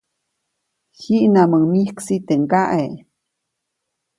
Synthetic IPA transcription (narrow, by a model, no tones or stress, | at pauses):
hiʔnaməmihksit̪eŋkaʔe